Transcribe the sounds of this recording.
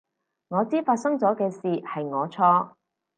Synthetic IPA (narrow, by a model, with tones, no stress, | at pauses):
ŋɔː˨˧t͡siː˥faː˧t̚sɐ˥ŋt͡sɔː˨˥kɛː˧siː˨hɐ˨jŋɔː˨˧t͡sʰɔː˥